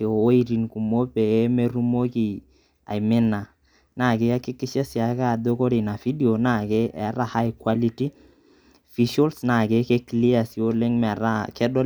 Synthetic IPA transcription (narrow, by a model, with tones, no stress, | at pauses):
o˨o˦i˦ɾi˨nku˨mo˦pe˨e˦me˦ɾu˦mo˦ki˨ | a̰˨jmɪ˦na˨ | na˦˨kɪ˦a˦kɪ˦kːɪ˦ʃɛ˦sja˨ka˦˨do˦ko˦ɾi˨na˨fi˦di˦o˨na˦˨ke˦ʔɛ˦ɾa˦ha˦jkwa˦li˦ti˦ | fi˦ʃo˦lsna˨ke˦ke˦kli˦a˨si˨o˦le˦ŋmɛ˨ɾa˦kɛ˦dɔ˦